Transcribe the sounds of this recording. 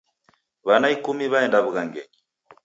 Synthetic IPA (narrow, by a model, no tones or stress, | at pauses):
βanaikumiβaɛndaβuɣaŋɡɛ̰ɲi